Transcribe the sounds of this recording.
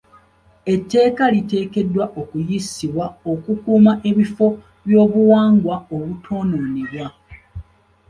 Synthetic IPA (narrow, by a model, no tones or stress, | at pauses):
e̞tːe̞ːkalite̞ːke̞dːwaʔokujisiβwao̞kukuːmaʔe̞βifo̞ | βjo̞ːβuwaːŋɡwaoβutʰo̞ːnoːneβwa